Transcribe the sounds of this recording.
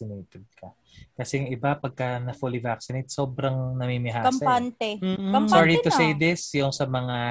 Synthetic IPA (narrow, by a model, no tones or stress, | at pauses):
sɪnejt̪ɛd̪̚kɐ | kɐsɛŋɪbapɐɡ̚kɐnɐfulivaksɪnejt̪̚so̞ːbɾɐŋnɐmimɪɦaːɐpant̪ɛkɐsaɹit̪ʊsejd̪ɪsjʊŋsɐmɐŋa